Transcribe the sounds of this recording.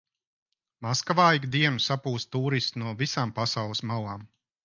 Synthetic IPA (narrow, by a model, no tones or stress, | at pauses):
maskavajɡd̪iɛmusapuːst̪t̪uːɾist̪nuɔvisaːmpasawlˠɨsmawaːm